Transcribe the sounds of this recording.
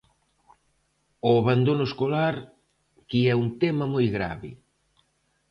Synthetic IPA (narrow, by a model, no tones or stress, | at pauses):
oaβand̪onʊeskolaɾ | kiɛuŋt̪ɛmɐmojɣɾa̰βɪ̰